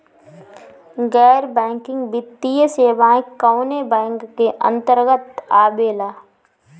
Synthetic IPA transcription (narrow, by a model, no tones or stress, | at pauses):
ɡɛːɾbɛ̃ːŋkɪ̃ŋɡbɪt̪ːijəseːʋaːɪ̃kːəʊnebɛ̃ːŋkːeʔə̰̃nt̪əɾɡət̪aːbeːlaː